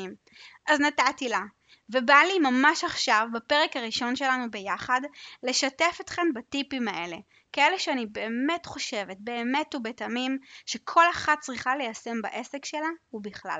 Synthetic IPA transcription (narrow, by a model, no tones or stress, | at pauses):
im | ʔaznatatila | vebalimamaʃaχʃavbapeʁekaʁiʃo̞nʃe̞lanubejaχadle̞ʃatefotχembatipimaʔe̞le̞ | kae̞leʃeanibe̞ːme̞tχo̞ʃe̞vet̚be̞ːme̞tubetamimʃekʰo̞laχat̚t͡sʁiχalejase̞mba̰ʔe̞sekʃelaubiχla̰l